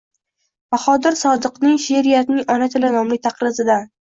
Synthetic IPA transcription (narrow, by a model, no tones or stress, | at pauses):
baχɒd̪ɪɾsɒd̪ɨqnɪŋʃeɾijat̪nɪŋɒnat̪ʰɪlanɒmlɪt̪ʰɑqɾɪzɪd̪an